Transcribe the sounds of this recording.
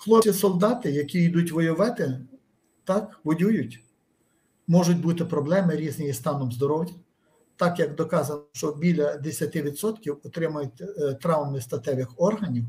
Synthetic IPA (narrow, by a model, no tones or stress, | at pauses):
xlˠɔisɔlˠd̪ɑt̪ɪjɐkʲiid̪utʲʋɔjʊʋɛt̪ɪ | t̪ɑkʋɔjʲujʊtʲ | mɔʒʊtʲbut̪ɪpɾɔblˠɛmɪɾʲiznɪjist̪ɑnɔmzd̪ɔɾɔwjɐ | t̪ɑkjɐkd̪ɔkɑzɐnʃt͡ʃɔbʲilʲɐd̪esʲɐt̪ɪʋʲid̪sɔt̪kʲiwɔt̪ɾɪmɐjʊt̚ʲt̪ɾɑwmɪst̪ɐt̪ɛʋʲɪxɔrɦɐnʲiw